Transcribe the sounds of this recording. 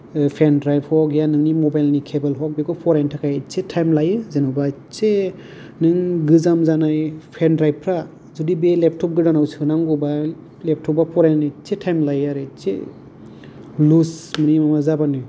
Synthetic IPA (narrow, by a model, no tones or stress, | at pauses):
pʰendɾajp̚hɔkjanɯŋnimɔbajlnikʰebelɦɔk̚bekɔpʰɔɾentʰakʰajt͡ʃetʰajmlajɯzenɔba | t͡ʃe | nɯŋɡɯzamzanajpʰendɾajp̚pʰɾa | zudibelep̚tʰɔp̚ɡɯdanawsʰikɯnaŋɡɔba | lep̚tʰɔp̚bapʰɔɾennit͡ʃetʰajmlajaɾɯt͡ʃḛ | lusmɯnimamazabanɯ